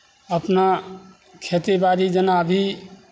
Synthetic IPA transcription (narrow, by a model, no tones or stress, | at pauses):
əpna | kʰet̪ebaɾid͡ʒənabʱi